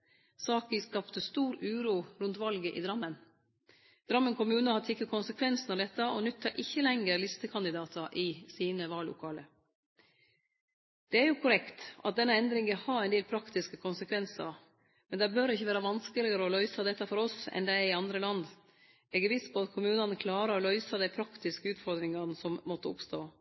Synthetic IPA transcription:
sɑːkɪskɑpt̪əst̪uːɾʉːɾuːɾʉnt̪ʋɑlɡəʔɪ̰d̪ɾɑmːən | d̪̥ɾɑmːənkʰʊmʉːnəhɑt̪ʰɪkːəkʰʊnsəkʰʋɛnsn̩ɑʋd̪ɛt̪ːəʔɔnʉt̪ʰːəɾʔɪçːəlɛŋəɾlɪst̪əkʰɑnd̪ɪd̪ɑːt̪ʰɑʔɪsiːnəʋɑːlːʊ̰kʰɑːlə̰ | d̪̥ɛæɾjʊkʰʊɾɛkt̪ʔɑ̰t̪̚d̪ɛnːəɛnd̪ɾɪŋəhɑɾæɪnd̪eːlpʰɾɑkt̪ɪskəkʰʊnsəkʰʋɛnsə̰ɾ | mɛnd̪æbœɾɪçːəʋæːɾəʋɑnskəlɪəɾəɔlœʏsɑd̪ɛt̪ːɑfɔɾɔsɛ̰nd̪æɪɪɑnd̪ɾəlɑnd̪ | ɛɡəʋiːspʰɔɑt̪kʰʊmʉːnɑnəkʰlɑːɾəɾɔlœʏsɑd̪æɪpʰɾɑkt̪ɪskəʉːt̪fɔɾd̪ɾɪŋɑnəsɔmmɔt̪ːəʊpst̪oː

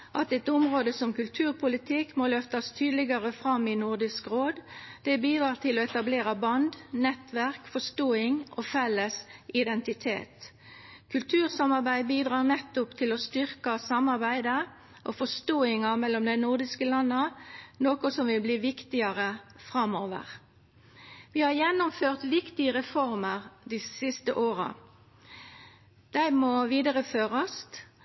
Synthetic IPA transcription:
ʔɑt̪ɛt̪ʊmʁoːd̪əsɔmkʉlt̪ʰʉːʁpʰʊlɪt̪ʰɪkmolœft̪ɑst̪ʰyːd̪lɪɡɑʁəfɾɑmːɪnʊʁd̪ɪskɾoːd̪d̪̥ɛbiːd̪ɾɑːʁt̪ʰɪlɔɛt̪ɑbleːʁɑbɑnd̪nɛt̪ʋæʁkfɔst̪oːɪŋʔofɛlːəsɪd̪ɛnt̪ɪt̪ʰḛːt̪ | kʰʉlt̪ʰʉːʁsɑmɑʁbæɪbiːd̪ʁɑːʁnɛt̪ːʊpt̪ʰɪlɔst̪ʏʁkɑsɑmɑʁbæɪd̪ə | ʔofɔst̪oːɪŋɑmɛlːɔmd̪æɪnʊʁd̪ɪskəlɑnːənoːkʊsɔmʋɪlbliːʋɪkt̪ɪɑʁəfʁɑmoːʋə̰ʁ | ʋɪhɑɾjɛnːʊmføːʁt̪ʋɪkt̪ɪəʁɛfɔʁməʁd̪isɪst̪əʔoːɾə̰ | d̪̥æɪmɔʋiːd̪əʁəføːʁɑs

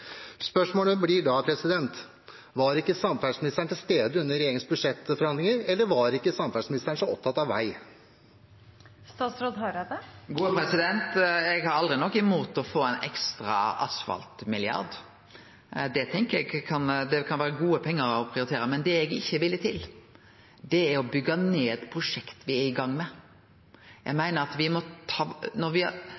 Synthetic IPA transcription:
spœʂmoːləblɪɖɑpʰɾɛsɪd̪ɛnt̪ | ʋɑɾɪkːəsɑmfæɖsmɪnɪst̪əɳʈ̪ɪlst̪eːd̪əʉnːəɾɛjeːɾɪŋsbʉd̪ʂɛt̪ːfɔɾhɑnd̪lɪŋəɾɛlːəʋɑɾɪkːəsɑmfæɖsmɪnɪst̪əɳʂɔɔp̚t̪ʰɑt̪ɑʋːæɪ | st̪ɑːt̪sɾoːd̪ɦɑɾɑd̪əɡuːəpʰɾɛsɪd̪ɛnt̪ɛɡhɑɾɑld̪ʁɪnɔkːɪmoːt̪ɔfoːɛɪnɛ̰kst̪ɾɑ̰ɑ̰sfɑ̰lt̪mɪlɪɑ̰ɾd̪ | d̪ɛt̪ʰɛŋkəɾɛɡkʰɑnd̪ɛkʰɑnʋæːɾəɡuːəpʰɛŋːəɾɔpʰʁɪʊɾɪt̪ʰeːɾəmɛnd̪ɛɛɡɪçːəʋɪlːət̪ʰɪl | d̪ɛæɾɔbʏɡːɑneːt̪pʰɾʊʂɛkt̪ʋɪæɾɪɡɑŋːmɛ | jæ̰ɡmæɪnəɾɑt̪ʋɪmɔt̪ʰɑːnɔɾʋɪ

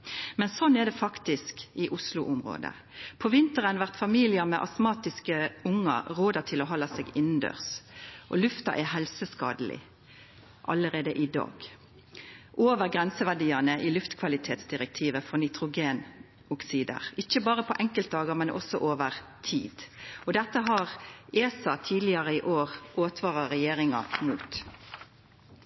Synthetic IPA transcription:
mɛnsɔnːɛd̪ɛfɑkt̪ɪskɪʔʊslʊʔʊmʁo̰ːd̪ə̰ | pʰɔʋɪnt̪əʁənʋæʁt̪fɑmiːlɪəmɛ̰ʔɑ̰smɑːt̪ɪskəʊŋːə̰ʁoːd̪ət̪ʰɪloːɦɔlɑseːɡɪnn̩d̪ø̰ːʁsʔɔ̰lʉft̪ɑ̰ʔɛɦɛlsəskɑ̰ːd̪əlɪ̰ | ʔɑləʁeːd̪əʔɪd̪ɑ̰ːɡ̥ | ʔoːʋəʁɡʁɛnsəʋæɖiːɑnəʔiːlʉft̪kʰʋɑlɪt̪ʰeːt̪sd̪ɪʁɛk̚t̪ʰiːʋəfɔnɪt̪ʁʊɡeːn | ʊksiːd̪ə̰ʁɪçːəbɑːʁəpʰɔʔɛŋkəlt̪̚d̪ɑːɡəmɛnʔɔ̰sɔʔoːʋəʁt̪ʰḭːd̪̥ɔd̪ɛt̪ːəɦɑʁeːsɑt̪ʰiːd̪lɪɑʁəiʔoːʁʔoːt̪ʰʋɑːʁɑʁɛjeːʁɪŋɑ̰muːt̪

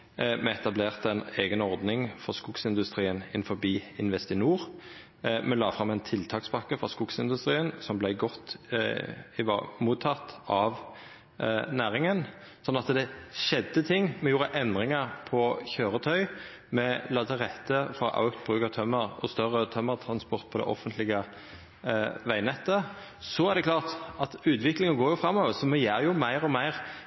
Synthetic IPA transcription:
mɛɛt̪ɑbleːʁt̪ɛɪneːɡənɔʁd̪nɪŋfɔʁskʊksɪnd̪ʉst̪ʁiːənɪ̰nfɔbiːɪnʋɛst̪ɪnuːʁ | mɛlɑːfɾɑmːæɪnt̪ʰɪlt̪ʰɑːkspʰɑkːəfɾɔskʊksɪnd̪ʉst̪ʁiːənsɔmblæɪɡɔt̪ː | ɪʋ̰muːt̪ʰːɑt̪ɑʋ | næːʁɪŋən | sɔnːɑt̪d̪ɛʃɛd̪ːət̪ʰɪŋːmɛjuːɾəʔɛnd̪ʁɪŋəɾpʰɔçøːʁət̪ʰœʏ | mɛlɑt̪ʰəʁɛt̪ːəfɑʔɑ̰ʉkt̪̚bʁʉːkət̪ʰœmːəʁɔst̪œʁːət̪ʰœmːəʁt̪ʰɾɑnspɔʁt̪̚pʰɔd̪ɛ̰ʔɔ̰fənt̪lɪɡə | ʋæɪnɛt̪ːə | sɔæʁd̪ɛkʰlɑːʁt̪ɑt̪ʉːt̪ʋɪklɪŋənɡoːɾjʊfɾɑmːɔːʋəʁsɔmɛjæːɾjʊmæɪʁɔmæɪʁ

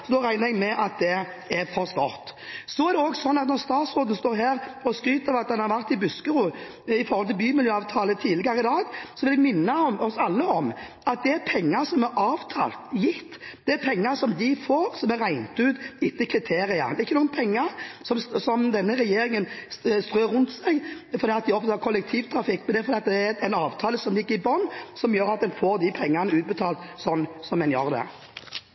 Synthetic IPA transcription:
sɔd̪oːɾæɪnəɾɛɡmɛʔɑt̪̚d̪ɛ | ɛɾfɔɾst̪ɑ̰ːt̪sɔæɾd̪ɛoːɡsɔnːɑt̪nɔɾst̪ɑːt̪sɾoːd̪ən̩st̪oːɾɦæːɾɔskɾyːt̪əɾʋɑt̪̚d̪ɛnhɑɾʋæʁt̪ɪbʉskəɾuː | ɪfɔɾhɔlt̪ʰɪlbyːmɪljøːɑːʋt̪ʰɑːlət̪ʰiːd̪lɪɡɑɾəɪd̪ɑːɡsɔʋɪld̪ɛɡmɪnːɑɔɔsɑlːəɔm | ɑt̪̚d̪ɛæɾpʰɛŋːɑɾsɔmɛʔɑːʋt̪ʰɑ̰ːlt̪jɪt̪ːd̪̥ɛæpʰɛŋːɑɾsɔmd̪ɪfoːɾsɔmæɾæɪnt̪ʉːt̪ɪt̪ːəkʰɾɪt̪ʰeːɾɪɑ̰d̪ɛɾɪçːəuːənpʰɛŋːəɾsɔmssɔmd̪ɛnːəɾɛjeːɾɪŋənst̪ɾøːɾʉnt̪sæɪɡfɔɾd̪iːɑt̪̚d̪ɪɔfət̪ɑɾkʰɔlːɛk̚t̪ʰiːʋt̪ʰɾɑfɪkːmɛnd̪ɛfɔd̪iːɑt̪d̪ɛɛɛnɑːʋt̪ʰɑːləsɔmlɪɡːəɾɪbɔnːsɔmjøːɾɑt̪̚d̪ɛnfoːɾd̪ɪpʰɛŋːanəʉːt̪̚bət̪ʰɑːlt̪sɔnːsɔmːɛnjøɾd̪ɛ̰

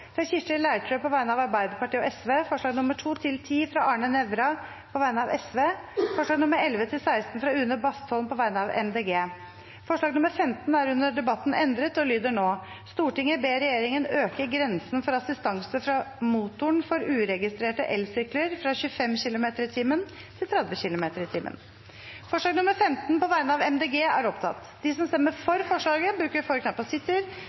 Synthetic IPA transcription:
fɾɑçɪʂʈəlæɪʈʰɾøːpɔʋæɪnəɑʋɑɾbæɪd̪əɾpɑʈʰiːɔʔɛsʋeːfɔʂɭɑːɡnʊməʈʰuːt̪ʰɪlt̪ʰiːfɾɑʔɑːɳənɛʋɾɑ | pʰɔʋæɪnəɑʋɛsʋeːfɔʂɭɑːɡnʊmːəɾɛlʋət̪ʰɪlsæɪst̪n̩fɾɑʉnəbɑst̪ʰɔlnpʰɔʋæɪnəɑʋɛ̰nd̪eːɡeː | fɔʂɭɑːɡnʊməɾfɛmt̪næɾʉnːəɖɛbɑt̪ːnɛnd̪ɾət̪ɔlyːd̪əɳoː | st̪uːʈɪŋːəbeːɾɛjeːɾɪŋənøːkəɡɾɛnsnfɔɾɑsɪst̪ɑŋsəfɾɑmuːt̪ʊəɳfɔɾʉːɾɛɡɪst̪ɾeːʈəʔɛlsʏkləɾfɾɑɕʉːfɛmçɪlʊmeːt̪əɾɪt̪ʰiːmən | t̪ʰɪlt̪ʰɾɛd̪ʋəçɪlʊmeːt̪əɾɪt̪ʰɪːmʔə̰n | fɔʂɭɑːɡnʊməɾfɛmt̪npɔʋæɪnəɑʋɛmd̪eːɡeːæɾɔpt̪ʰɑ̰t̪ː | d̪ɪsɔmst̪ɛmːəɾfɔɾfɔʂɭɑːɡəbɾʉːkəɾfɔɾknɑpːɔsɪt̪ːɪɾ

